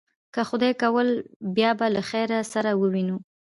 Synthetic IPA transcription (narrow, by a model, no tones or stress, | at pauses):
kəxʊd̪ɑjkawəlbjɑbalaxajɾasaɾawəwinu